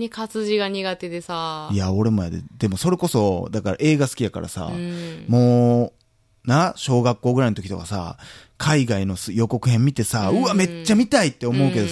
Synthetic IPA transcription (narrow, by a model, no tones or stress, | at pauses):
ɲikat͡sɨʑiɡaɲ̟iɡat̪e̞d̪e̞saiaoɾemojad̪ḛd̪e̞mo̞so̞ɾe̞ko̞so̞d̪akaɾa̰ʔe̞ːɡasɨ̥kʲijaka̰ɾa̰sa̰mo̞ː | nãɕo̞ːɡakːo̞ːɡɯ̟ɾainot̪okit̪o̞kasa̰kʰaiɡaino̞sjo̞ko̞kɯ̟ɦẽ̞mʲːit̪e̞saɯ̟ame̞t͡ɕt͡ɕːamʲit̪ait̪ːe̞o̞mo̞ɯke̞d̪o